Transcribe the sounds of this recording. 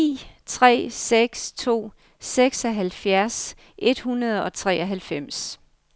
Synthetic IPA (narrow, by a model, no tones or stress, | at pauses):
ḭːt͡sʰʁɛ̰ːseɡ̥st͡sʰo̝̰ː | seɡ̥sɒɦælfjæɐs | ʔe̝d̥hunɐð̞̩ˠɒ̽t͡sʰʁɛ̰ːʔɒɦælfem̰s